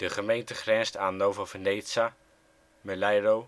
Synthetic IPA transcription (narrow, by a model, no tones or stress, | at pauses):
d̥əχəmejntəχrɛnstaːnːowvəvənejsa | məlajro